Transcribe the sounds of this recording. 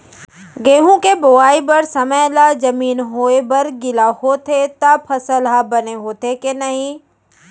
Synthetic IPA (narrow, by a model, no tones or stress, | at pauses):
ɡeːɦũkebʊaːibɐɾsɐməjlad͡ʒɐmiːnɦoːebɐɾɡɪlahoːt̪et̪apʰɐsəlɦabɐneɦoːt̪ekenɐɦĩ